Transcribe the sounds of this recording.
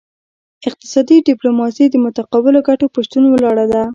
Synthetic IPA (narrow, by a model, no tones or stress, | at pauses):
ɪq̚t̪ɪ̥sɑd̪iɖɪplomɑsid̪əmʊt̪aqɑbɪloɡaʈopəʃt̪unwəlɑɽad̪a